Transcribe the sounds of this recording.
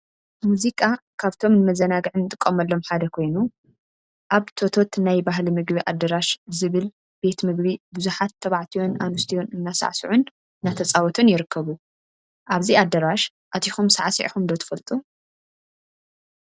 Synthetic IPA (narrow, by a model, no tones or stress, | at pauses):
muzikʼakʰaβt̪ʰo̞mnɨmɐzɐnaɡɨʕɨnːɨt̪ʼɨkʼːɐmɐlːo̞mħad̪ɐkʰo̞jnu | ʔaβt̪ʰo̞t̪ʰo̞t̪najbaɦlimɨɡbiʔad̪ːɐɾaʃzɨβɨl | b̥e̞t̪mɨɡbibɨzuħat̪ʰːɐβaʕt̪ʰijo̞nanust̪ʰijo̞nɨnːasa̰ʕsuʕun | nːat̪ʰɐt͡sʼawɔt̪ʰunjɪɾɨkʰːɐβu | ʔaβziad̪ːɐɾaʃ | ʔat̪ʰixumsa̰ʕsḭʕħumd̪ɐt̪ʰɨ̥fɐlt̪ʼu